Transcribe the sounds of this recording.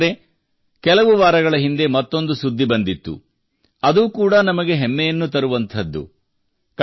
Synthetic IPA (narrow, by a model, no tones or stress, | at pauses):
ɾe̞ | kɛlɐʋuʋaːɾɐɡɐɭɐɦind̪e̞mɐt̪ːo̞nd̪usud̪ʱːibɐnd̪it̪ːṵ | ɐd̪uːkuːɽɐnɐmɐɡe̞ɦɛmːejɐnːut̪̬ɐɾuʋɐnt̪ʰɐd̪ːṵ | k